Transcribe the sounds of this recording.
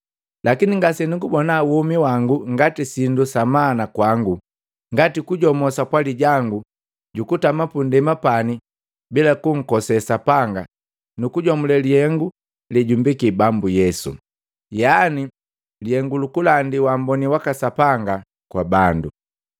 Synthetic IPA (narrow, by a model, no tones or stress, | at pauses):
lakiniŋɡasɛniŋɡubɔnawumiwaŋɡuŋɡatisindusamanakwaŋɡu | ŋɡatikuɟɔmɔsakwaliɟaŋɡu | ɟukutamapundɛmapani | bilakuŋ̩kɔsɛsapaŋɡa̰ | nukuɟɔmulɛlihɛŋɡu | liɟumbikibambujɛsṵ | jani | lihɛŋɡulukulandiwambɔniwakasapaŋɡa | kwabandu